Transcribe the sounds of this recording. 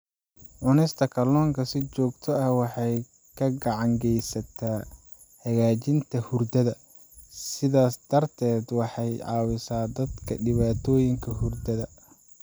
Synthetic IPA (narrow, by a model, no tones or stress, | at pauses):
ʕʊnɛst̪ʰɐkʰɐlɔːŋkʰɐsɪt͡ʃɔːɡt̪ʰɔɐhwɑħɑj | kʰɐɡɑʕɑŋɡɛjsɐt̪ʰaː | hɐɣaːt͡ʃɪnt̪ʰɐhʊrd̪ɐðɐ | sɪðaːsd̪ɐrt̪ʰɛːd̪wɑħɑjʕɑːwɪsaːd̪ɐd̪kʰɐ̰ɖɪβaːt̪ʰɔːjɪŋkʰɐhʊrd̪ɐðɐ